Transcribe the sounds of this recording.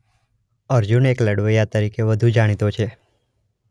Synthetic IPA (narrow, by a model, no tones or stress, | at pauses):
əɾd͡ʒunekləɽʋəjat̪əɾikeʋəd̪ʱud͡ʒaɽ̃it̪ot͡ʃʰe